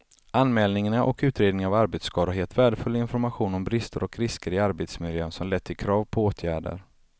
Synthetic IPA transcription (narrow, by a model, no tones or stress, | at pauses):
ʔanmɛːlnɪŋanaʔɔkʉ̟ːt̪ɾeːd̪nɪŋavaɾbet̪skʰɑːɾaɦeːlt̪væːɖəfɵlːɪnfɔɾmaɧuːnɔmbɾɪst̪ʰəɾɔkɾɪskəɾɪaɾbet̪smɪljøːnsɔmlɛt̪ʰːɪlkʰɾɑːvpʰɔoːt̪ʰjæːɖə̰ɾ